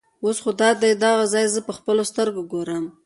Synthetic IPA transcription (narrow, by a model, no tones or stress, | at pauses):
wosxod̪ɑd̪ejd̪ɑɣazɑjzəpəxpəlost̪əɾɡoɡoɾəm